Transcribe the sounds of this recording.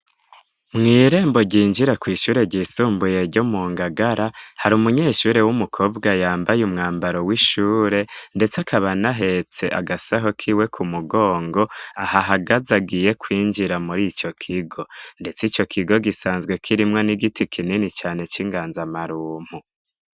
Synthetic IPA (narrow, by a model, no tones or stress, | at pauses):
mŋiːɾe̞ːmbo̞ɟiːnd͡ʒiɾakwiːʃuːɾe̞ɟiːsuːmbuje̞ɾɟomuːŋɡaɡaɾahaɾumuɲe̞ːʃuːɾe̞wumukʰo̞ːbɡajaːmbajumŋaːmbaɾo̞wiʃuːɾe̞nde̞t͡sakʰaβanaɦe̞t͡se̞ʔa̰ɡasaɦo̞kʰiːwe̞kʰumuɡo̞ːŋɡo̞ahaɦaɡazaɡije̞kwiːnd͡ʒiɾamuɾit͡ʃo̞kʰiɡo̞nde̞t͡sit͡ʃo̞kʰiɡo̞ɡisaːnzɡwe̞kʰiɾimŋoniɡitikʰininit͡ʃaːne̞t͡ʃiŋɡaːnzamaɾuːm̥u